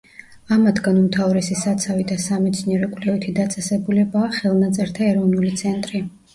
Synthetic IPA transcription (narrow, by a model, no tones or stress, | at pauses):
amad̪ɡanumt̪ʰavɾɛsisat̪sʰavid̪asamɛt̪sʰniɛɾɔkʼwlɛvit̪ʰid̪at̪sʼɛsɛbulɛbaːχɛlˠnat̪sʼɛɾt̪ʰaɛɾɔvnulit̪sʰɛnt̪ʼɾi